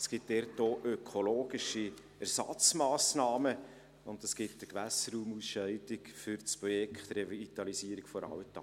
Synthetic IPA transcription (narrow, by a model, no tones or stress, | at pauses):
sɡ̥ɪt̚d̥ɛrtoːʔøkʰoloːɡiʃi | æɾsɑ̰t͡smɑːsnɑːmə | ʊndəsɡ̥ɪtdəkʋæsəɾuːmusʃœɪtɪkfʏɾt͡spɾɔjɛkʰtɾɛviɡitɑlisiːəɾikfɔɾɑ̰wtɑ̰